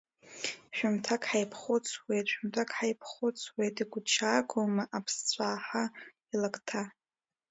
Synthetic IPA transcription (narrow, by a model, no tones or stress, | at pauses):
ʃᶣʊmtʰakʼħajpʰχʊt͡sʰwejtʼʃᶣʊmtʰakʰʼħajpʰχʊt͡sʰwejtʼiɡʷʊt͡ʃʰaːkʰʷʼomaʔapʰst͡sʷʰʼaːħa | ilakʼtʰa